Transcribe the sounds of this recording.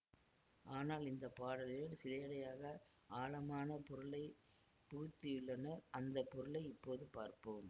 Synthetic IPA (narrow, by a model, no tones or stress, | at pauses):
ʔaːnaːlɪnd̪ɐpːaːɽɐlɪlɪnsɪleːɽɐjaːɣɐ | aːlɐmaːnɐpɔɾɯɭɐɪ | puːt̪ːɪjɯɭːɐnɐɐnd̪ɐpːɔɾɯɭɐɪɪpːoːðɯpaːɾpɯm